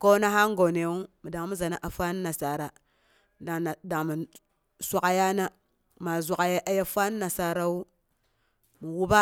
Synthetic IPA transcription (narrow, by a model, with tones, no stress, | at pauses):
ko˦na˦ɦa˦ŋ˦ɡo˨ne˨wu˦mi˨da˨ŋ˦mu˦za˨na˦ʔa˨fa˦n˦na˨sa˨ɾa˨ | a˨da˨ŋ˨mi˨ | sʷa˦ka˨ja˦na˦ | ma˨zʷa˨ka˨ja˦ʔa˦ja˦fa˦n˦na˨sa˨ɾa˦wu˦ | mu˨wu˦ba˦